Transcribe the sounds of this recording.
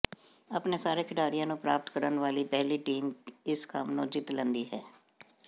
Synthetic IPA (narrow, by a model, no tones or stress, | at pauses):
əpneːsaːɾeːkʰɪʈaːɾijãːnũːpɾaːp̚t̪kəɾənʋaːliːpɛɦliːʈiːmɪskəmnõːd͡ʒɪt̪lə̃nd̪iːɦɛː